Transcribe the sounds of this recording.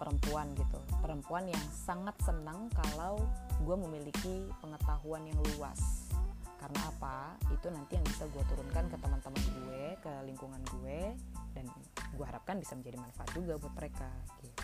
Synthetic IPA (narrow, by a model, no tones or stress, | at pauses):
pəɾəmpuanɡit̪upəɾəmpuanjaŋsaŋat̪̚sənəŋkalawɡuaməmilikipəŋət̪aɦuanjaŋlua̰s | kaɾəna̰ːpait̪unant̪ijaŋbisaɡuat̪uɾʊnkankət̪əmant̪əmanɡuekəliŋkuŋanɡuedan | ɡuaɦaɾap̚kanbisaməɲd͡ʒadimanfaat̪̚d͡ʒuɡabuat̪̚məɾekaɡi